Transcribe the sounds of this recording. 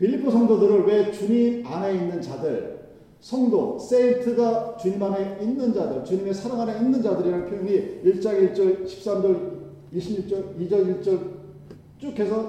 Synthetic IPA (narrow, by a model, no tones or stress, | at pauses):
pʰiʎːipʰosʰʌŋdodɯɾɯɭwe̞t͡ɕuɲimane̞inːɯnt͡ɕadɯɭ | sʰʌŋdo̰s͈eitʰɯɡat͡ɕuɲimɦane̞inːɯnd͡ʑadɯɭt͡ɕuɲime̞sʰaɾaŋɦaneinːɯnd͡ʑadɯɾiɾanpʰjojoŋiiɭt͡ɕ͈aɡit͡ɕ͈ʌɭɕʰi̥p̚s͈amd͡ʑʌɾ | iɕʰibit͡ɕ͈ʌɾid͡ʑʌniɭt͡ɕ͈ʌɭ | t͡ɕ͈okʰesʰʌ